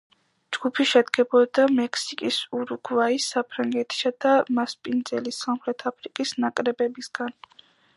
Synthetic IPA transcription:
d͡ʒɡ̥upʰiʃɛd̪ɡɛbɔd̪amɛkʰsikʼisuɾuɡvaisːapʰɾaŋɡɛt̪ʰi̥sad̪̥amaspʼind̪zɛlisamχɾɛt̪ʰapʰɾikʼisnakʼɾɛbɛbisɡan

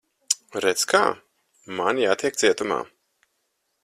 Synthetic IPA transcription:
ɾɛt̪ska̰ː | manjaːt̪iɛk̚d̪z̥iɛt̪uma̰ː

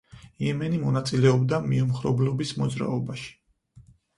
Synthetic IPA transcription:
jɛmɛnimɔnat̪sʼilɛɔbd̪amiumχɾɔ̰blɔbismɔd̪zɾa̰ɔbaʃi̥

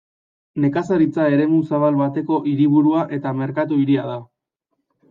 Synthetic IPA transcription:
ne̞kasaɾit͡sae̞ɾe̞musaβ̞alβat̪e̞ko̞ʔiɾiβuɾuaʔe̞t̪ame̞ɾkat̪uiɾiað̞a

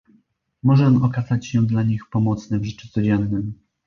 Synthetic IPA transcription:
mɔʐɛɔnɔkazat͡ɕɕɛd̪laɲixpɔmɔt̪snɛvʐɛt͡ʂut̪sɔd͡ʑɛnːɘm

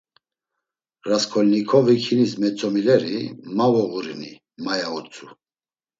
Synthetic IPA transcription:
ɾaskʰɔlnikʰɔvikʰinismɛt͡sʼɔmilɛɾimavɔɣuɾini | majaut͡sʼu

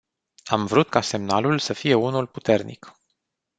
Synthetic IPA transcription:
amvɾut̪kase̞mnalulsəfije̞unulput̪e̞rnḭk

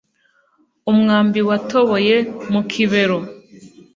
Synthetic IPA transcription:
umŋaːmbiwato̞βo̞je̞mukʰiβe̞ɾo

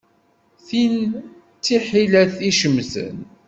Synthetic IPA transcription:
θin | t͡sːiħilæθiʃəmːθə̰n

